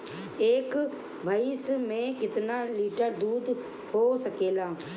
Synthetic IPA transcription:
eːk | bʱaːismẽːkɪt̪naːliːʈəɾd̪uːd̪ | hoːsəkeːlaː

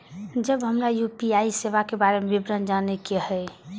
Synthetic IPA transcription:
d͡ʒəbɦəmɾajupiaiseʋakebaɾemebibɾənd͡ʒanekeɦɛ

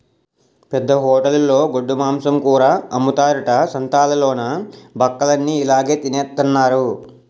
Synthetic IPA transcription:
pɛd̪ːɐɦɔːʈɐllːo̞ːɡoɖːumaːmsɐmkuːɾaːɐmut̪aːɾuʈɐsɐnt̪aːlɐloːnɐbʱɐkːɐlɐnːiːlaːɡe̞ːt̪ineːt̪ːɐnːaːɾu

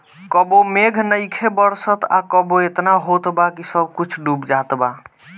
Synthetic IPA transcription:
kəbomeɡʱnəjkʰebəɾsət̪a̰kəboet̪naɦot̪bakisəb̚ʱkut͡ʃʰɖubd͡ʒat̪ba

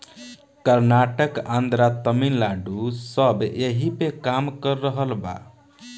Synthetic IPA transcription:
kəɾnaʈəkãnd̪ɾat̪əminlaɖusəbeɦipekamkəɾːəɦəlba̰

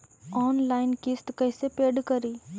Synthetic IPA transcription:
ɔːnlaːɪnkɪst̪kɐɦsepeːɖkɐɾiː

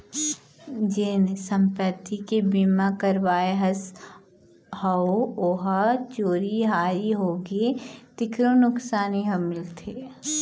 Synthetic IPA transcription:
d͡ʒensə̃mpɾət̪ikebimakɐɾʋaːeɦɐs | hɐooɦət͡ʃoːɾiɦaːɾiɦoːɡet̪ɪkɾonʊksaːniɦɐmɪlt̪ʰeː

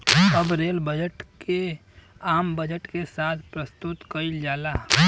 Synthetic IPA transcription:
ɐbɾeːlbəd͡ʒəʈke | aːmbəd͡ʒəʈkesaːt̪ʰpɾəst̪ʊt̪kəild͡ʒaːlaː

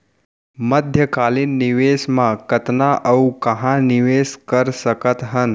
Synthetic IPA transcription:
məd̪ʱjəkaːlinːiʋesmãkət̪naʔəukɐɦãniʋeskəɾsəkət̪ɦən

